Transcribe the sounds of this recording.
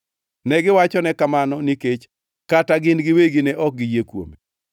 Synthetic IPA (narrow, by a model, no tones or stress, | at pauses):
nɛɡɪwat͡ʃɔnɛkamanɔniket͡ʃ | kataɡɪnɡɪweɡinɛʔɔk̚ɡijekwo̰me